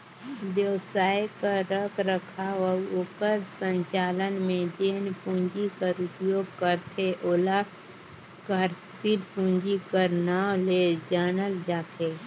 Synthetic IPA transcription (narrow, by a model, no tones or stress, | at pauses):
ʋjəwsaːjkaɾəkʰɾəkʰaʋəʊkəɾsə̃ɲt͡ʃaːlənmẽd͡ʒeːnpũɲd͡ʒikəɾʊpjoːɡ̚kəɾt̪ʰeʔoːla | kəɾst̪iɾpũnd͡ʒikəɾnaːoled͡ʒaːnəld͡ʒaːt̪ʰeː